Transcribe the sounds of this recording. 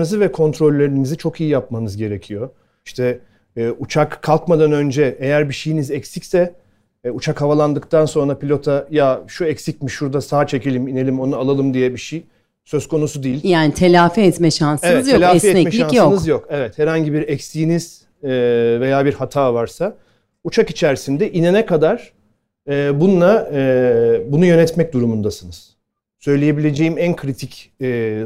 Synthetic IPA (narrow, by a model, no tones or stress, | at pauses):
ɯzɯvɛkʰo̞nt̪ɾo̞lʲːe̞ɾinizit͡ʃʰo̞kijijap̚manɯzɟe̞ɾecʰijo̞ | iʃt̪ʰɛː | ut͡ʃʰakʰːalˠkmad̪anø̞nd͡ʒɛʔejæɾbiʃijinizɛcsicsɛ | ut͡ʃʰakhavalˠand̪ɯkt̪ʰanso̞nɾapilʲo̞t̪ʰajaʃuɛcsic̚ʲmiʃːuɾd̪asaːt͡ʃʰe̞celʲimine̞lʲimo̞nualˠalˠɯmd̪ijɛbiʃij | sø̞skʰo̞nusud̪iːilʲjaːnit̪ʰelʲaːfɛɛt̪mɛʃansvɛt̪zjelʲaːɛfiɛt̪ɛmɛʃianjsoɯknɯzjo̞kevɛt̪hɛɾhaɲɟibiɾɛcsijːniz̥ | ve̞jaːbiɾhat̪ʰaːvaɾsa | ut͡ʃʰakit͡ʃʰæɾsind̪ɛʔinenɛkʰad̪aɾ̥ | ɛːbunlˠa | bunujø̞nɛt̪mɛc̚d̪uɾumund̪asɯnɯz̥ | sø̞jlʲeje̞bilʲe̞d͡ʒejimænkʰɾit̪ʰicː